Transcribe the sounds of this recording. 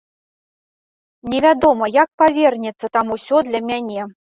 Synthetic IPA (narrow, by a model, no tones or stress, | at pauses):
nʲɛvʲad̪ɔmɐjak̚pavʲɛrnʲɛt̪sːɐt̪amusʲɔd̪lʲɐmʲanʲɛ